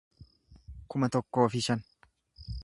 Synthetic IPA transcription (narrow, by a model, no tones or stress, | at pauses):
kʊmɐt̪ɔkːo̞ːfɪʃɐn